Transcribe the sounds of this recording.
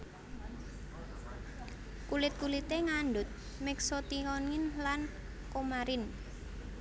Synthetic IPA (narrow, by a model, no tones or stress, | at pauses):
kulɪt̪̚kulit̪eŋaɳɖʊt̪̚ | mɛksot̪iŋɔnŋɪnlan | komaɾɪn